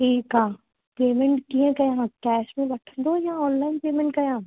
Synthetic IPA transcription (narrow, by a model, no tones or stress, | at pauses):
ʈʰiːkɦãː | peːmɛ̃ɳʈkiẽkɐjãkɛːsmẽbɐʈ̪ʰd̪oːjãɔːnlainpeːmɛ̃ɳʈ̚kɐjãː